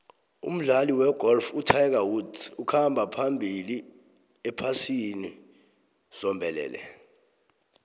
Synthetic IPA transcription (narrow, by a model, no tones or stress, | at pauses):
ṵm̩ɮaliwɛɡ̥ʱɔlfutʰajk̬awudukʰambʱapʰambʱili | ɛpʰasini | sɔmbʱɛlɛ̰ːlɛ̰